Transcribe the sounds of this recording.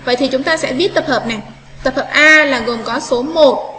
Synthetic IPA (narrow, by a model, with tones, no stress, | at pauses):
və̰˧˨jt̪ʰi˨˩t͡ɕʊ˨˦ŋ͡mt̪aː˧sɛ̰˧˥ɓi˦˥ət̚t̪ə˨˩p̚həː˨˩p̚na˨˩ | t̪ə˨˩p̚həː˨˩p̚ʔaː˧laː˨˩ɣo˨˩mkɔ˨˦so˨˦mo˨˩t̚